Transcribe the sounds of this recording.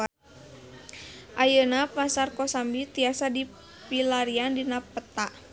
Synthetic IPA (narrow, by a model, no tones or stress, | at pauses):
ʔajənapasarkɔsambit̪iasadi | pilaɾiandinapət̪aʔ